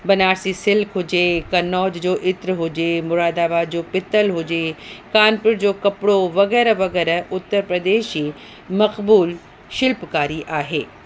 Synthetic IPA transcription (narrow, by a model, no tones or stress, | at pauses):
bɐnaːɾsisɪlkʰɦʊd͡ʒeːkɐnɔːd͡ʒd͡ʑoːʔɪt̪ɾɦoːd͡ʒeːmʊɾaːd̪aːbaːd͡ʑoːpɪt̪əlɦoːd͡ʒeːkaːnpɪɽd͡ʑoːkɐpɽoʋɐɣɛːɾaʋɐɡɛːɾaʊt̪ːəɾpɾɐd̪eːʃɦiː | mɐqbuːl | ʃɪlpkaːɾiʔaːɦeː